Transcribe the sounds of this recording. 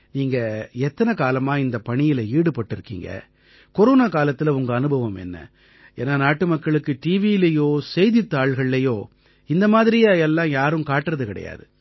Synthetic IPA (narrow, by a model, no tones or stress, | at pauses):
niːŋɡɐɛt̪ːɐnɐkaːlɐmaːɪnd̪ɐpɐɳɪjɪlɐiːɽɯpɐʈːɪɾɯkːḭːŋɡɐ̰ | kɔɾoːnaːkaːlɐt̪ːɪlɐʊŋɡɐːnɯbʱɐʋɐmɛ̰nːɐ̰ | ḛːnaːnaːʈːɯmɐkːɐɭɯkːɯʈiːʋiɪlɐjoːsɛjðɪt̪ːaːɭɣɐɭːɐjoː | ɪnd̪ɐmaːðɪɾɪjaɛlːãːjaːɾɯmkaːʈːɯɾɐðɯkɪɽɐ̰ja̰ːðɯ